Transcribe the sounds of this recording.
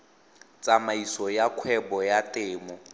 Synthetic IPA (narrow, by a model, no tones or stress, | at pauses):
t͡sʼamaisɔjakʰwɛbɔjatʼɪːmɔ